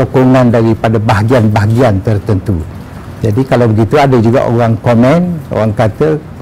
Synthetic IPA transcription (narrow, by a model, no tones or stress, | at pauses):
okoŋãndaɾipadabaɦaɡianbaɦaɡiant̪ərt̪ənt̪u | d͡ʒadikalawbəɡit̪uadad͡ʒuɡa̰ʔo̰ɣaŋkomɛ̃no̰ɣaŋkat̪ə